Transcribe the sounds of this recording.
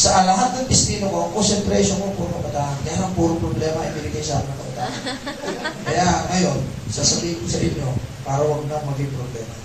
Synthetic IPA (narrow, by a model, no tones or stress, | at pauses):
sɐʔɐlɐɦat̪̚nɐŋpɪst̪iːnokoʔɐŋkonsɛnt̪ɾɛʃonkoŋpuːɾʊŋkɐbɐt̪aːʔɐnkɐjaɐŋpuːɾʊpɾoblɛːmɐʔɪ̰bɪnɪɡajsamɪnɐŋkɐbɐt̪a̰ːʔɐnkɐjaŋɐjo̞nsɐsɐbiŋsɐbɪɲːopaːɾɐwɐɡ̚nɐŋmɐɡɪŋpɾoblɛːmɐ